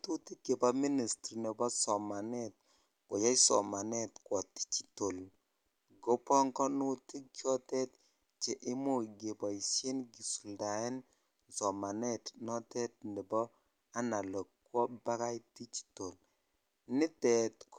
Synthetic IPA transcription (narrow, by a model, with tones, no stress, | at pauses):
tu˦ti˦ke˨pa˨mi˦ni˨sti˨nɛ˨bɔ˦sɔ˨ma˨nɛ˦t̚ | ko˨ja˦jsɔ̰˨ma˨nɛ˦tkwɔ˨ti̥˦t͡ʃi̥˨to˨l | ɡo˦pɔ˦ŋkɔ˦nu˦ti˦kjɔ˦tɛ˦t | t͡ʃe˨ʔɪ˦mu˦˨ɡe˨bɔ˨i˨se˦nɡi˨su˨lda˨ɛ˦n | sɔ˨ma˨nɛ˦tnɔ˦tɛ˦t̚ni˨bɔ˦ | a˦na˨lɔ˨kkwɔ˦ba˦ka˦jti˦t͡ʃi̥˨to˨l | nɪ˦tɛ˨tk